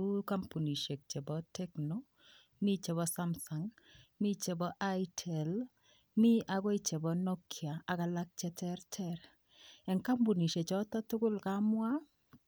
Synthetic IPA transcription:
u˦ka˦mpu˨ni˨ʃe˨k̚t͡ʃe˨bɔ˨tʰɛ˦kno˦ | mi˦t͡ʃe˨bɔ˦sa˦msa˨ŋmi˦t͡ʃe˨bɔ˦ʔa˦jtʰɛ˨l | mi˦ʔa˨ɡɔ˦i˦t͡ʃe˨bɔ˨no˦kʰja˨a˨ka˨la˦k̚t͡ʃɛ˨˦tʰɛ˦ɾtʰɛ˦ɾ | ɛ˨ŋka˦mbu˨ni˨ʃe˨t͡ʃɔ˦tɔ˦tʊ˦kʊ˦lka˦mwa˦

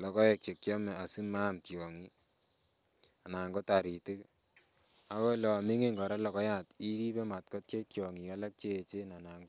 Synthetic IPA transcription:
lɔ˨kɔ˦jɛ˨k̚t͡ʃe˨k̚t͡ʃɔ˦mɛ˨a˨si˦ma˦mtjɔ˨ŋi˦ | a˨na˨ŋɡo˦ta˨ɾi˨te˦k | a˦wɔ˦lɔ˨mi˦ŋe˦ŋɡɔ˨ɾa˦lɔ˨kɔ˦ja˨ti˦ɾi˦pe˦ma˨t̚kɔ˦t̚t͡ʃe˦tjɔ˨ŋi˨a˦la˦k̚t͡ʃe˦˨t͡ʃe˦na˨na˨ŋɡo˦

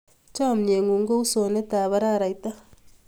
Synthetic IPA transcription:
t͡ʃa˦˨mne˨ŋu˨ŋɡo˦u˦so˨ne˦t̪aː˨βa˦ɾa˦˨ɾa˨jt̪a˦

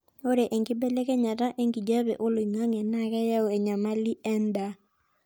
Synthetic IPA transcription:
o˦ɾe˨ʔe˨ŋɡɪ˦bɛ˦lɛ˦kɛ˦ɲa˨ta˦ʔe˦ŋɡi˨d͡ʒa˦bɛ̰˨ʔo˦lo˨i˨ŋa˦ŋɛ˨na˦˨kɛ˦ja˦wɛ˨ɲa˨ma˦li˦ʔɛ˦nda˨˦

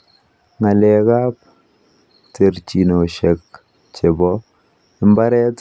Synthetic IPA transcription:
ŋa˨lɛ˨ka˦p̚ | te˨rt͡ʃi˨no˨ʃɛ˨k | t͡ʃe˨bɔ | ɪ˦mba˦ɾɛ˦t

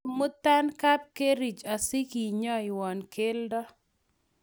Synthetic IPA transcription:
mʊ˦ta˦nka˦p̚ke˦ɾi˨t͡ʃa˨si˦ki˨ɲɔ˦ɪ˨wɔ˨nkʰe˦ldɔ˦

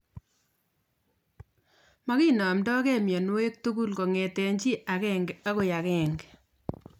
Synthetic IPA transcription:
ma˦ki˦nɔ˨mdɔ˦kɛ˦mjɔ˨nu˦we˦k̚tu˦ku˦lko˨ŋɛ˨tɛ˨ɲt͡ʃi˦ʔa˨kɛ˦ŋɡɛ˨a˦ko˨ja˨kɛ˨ŋɡ

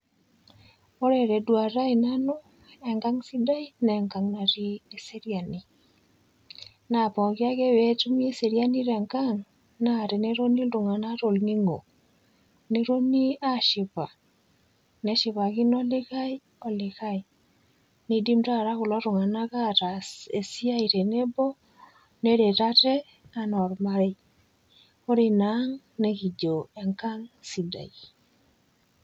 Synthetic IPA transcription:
ɔ˦ɾɛ˨ɾɛ˨dwa˨ɾa˦ina˦nɔ˦ | ɛ˨ŋɡa˦ŋsi˦da˦i˦na˨ɛ˨ŋka˨ŋna˨ɾi˦e˨se˦ɾi˦a˨ni˨ | na˨pɔ˨ɣja˦ɣɛ˦wɛ˦tu˦m˦e˦se˨ɾja˦ni˦ɾɛ˨ŋka˦ŋ | na˨ɾe˨ne˦ɾo˦ni˦lɾo˨ŋa˨na˦ɾo˨lni˦ŋɡo˨ | ne˦ɾo˦ni˦a˦ʃi˨βa˨ | nɛ˨˦ʃɪ˨βa˨ɣɪ˦nɔ˦lɪ˦ɣa˦j | ɔ˨lɪ˨ɣa˦j | ni˨˦di˦mɾa˦˨ɾa˦kʊ˨la˦ɾʊ˨ŋa˨na˦ɣa˦ta˨e˨si˦a˦i˨ɾe˨ne˦bɔ˦ | ne˦ɾe˨ta˦tɛ˦ | a˦nɔ˨ɾma˦ɾe˦ | o˦ɾi˦na˦ŋ | ne˦ki˨d͡ʒo˨ɛ˨ŋka˦ŋsi˨da̰˨i˨

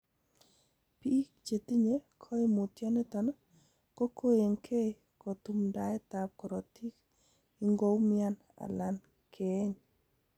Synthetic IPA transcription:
pi˦k̚t͡ʃe˨ti˦ɲe˦kʰɔ˦ɪ˦mʊ˨tja˦ne˦tɔ˨nɔ˦ | ko˦kʰo˦je˨ŋkʰe˦ | ko˨tu˨mda˨˦ɛ˦ta˨p̚kɔ˨ɾo˨ti˦k | i˦ŋɡo˦wmja˦n | a̰˨la˨n | kʰe˨˦ɲ

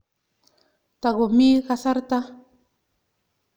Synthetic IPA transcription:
t̪a˨ɣo˨mi˦ɣasa˦ɾt̪a˦

